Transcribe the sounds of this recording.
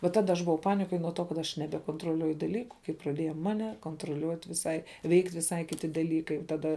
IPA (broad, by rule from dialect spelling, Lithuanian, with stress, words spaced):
ʋɐ ˈtɑːdɐ ɐʃ bʊˈʋɐʊ ˈpɑːnʲɪkoːj nuɔ ˈtoː kɐt ˈɐʃ nʲɛbʲɛkoːntroːˈlʲuɔjʊ dɐˈlʲiːkʊ kɐɪ prɐˈdʲiɛjɛ ˈmɑːnʲɛ koːntroːˈlʲuɔtʲ ʋʲɪˈsɐɪ ˈʋʲɛɪktʲ ʋʲɪˈsɐɪ kʲɪˈtʲɪ dɐˈlʲiːkɐɪ tɐˈdɐ